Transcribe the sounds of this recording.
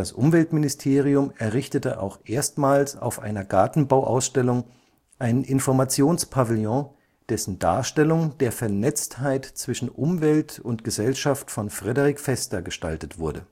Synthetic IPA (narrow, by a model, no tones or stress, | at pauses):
d̥asʔʊ̰mvɛltmɪnɪstʰeːʁ̞iʊmɛɐʁɪçtətəʔa̰ʊxʔeːɐstmaːlsa̰ʊfʔa̰ɪnɐɡaɐtn̩baʊʔa̰ʊsʃtɛlʊŋ | ʔaɪnʔɪnfɔɐmat͡sjoːnspʰavɪljɔ̃ | d̥ɛsn̩da̰ːɐʃtɛlʊŋd̥eːɐfɛɐnɛt͡sthaɪtt͡sv̥ɪʃn̩ʔʊmvɛltʊntɡ̥əzɛlʃaftfɔnfʁ̥ɛdəʁɪkfɛstɐɡəʃta̰ltətv̥ʊɐdə